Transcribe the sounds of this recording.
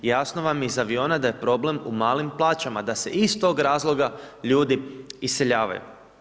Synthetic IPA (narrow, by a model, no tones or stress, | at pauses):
jasno̞ʋamjizaʋio̞ːnad̪aje̞pɾo̞ble̞mumaːlimplˠaːt͡ʃamad̪ase̞̰ʔist̪o̞ːɡɾaːzlˠo̞ɡaʎuːd̪iisːe̞ʎaːʋa̰jṵ